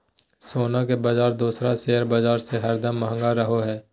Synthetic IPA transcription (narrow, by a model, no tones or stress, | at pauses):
soːnak̬ebad͡ʒaːɾd̪uːsɾaseːɦəɾbad͡ʒaːɾseɦəɾd̪əmːəɦə̃ŋɡaɾəɦoɦɛː